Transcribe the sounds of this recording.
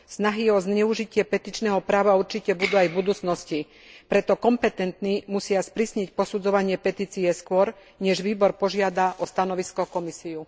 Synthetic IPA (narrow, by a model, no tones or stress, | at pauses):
snaɦiɔzɲɛuʒicɪɛpɛt̪iːt͡ʃnɛːɦɔpɾaːʋauɾt͡ʃicɛbud̪uːajbud̪uːt͡snɔsci | pɾɛt̪ɔkɔmpɛt̪ɛnt̪nimusɪaspɾisɲɛcpɔsud͡zɔʋaɲɪɛpɛt̪iːt͡sijɛskʊɔɾ | ɲɛʒʋiːbɔɾpɔʒɪad̪aʔɔst̪anɔʋiskɔkɔmisiu